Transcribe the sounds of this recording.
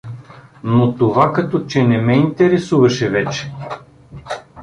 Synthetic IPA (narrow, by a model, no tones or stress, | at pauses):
not̪ovakɐt̪ɔt͡ʃɛnɛmɛint̪ɛɾɛsuvɐʃɛvɛt͡ʃɛ̥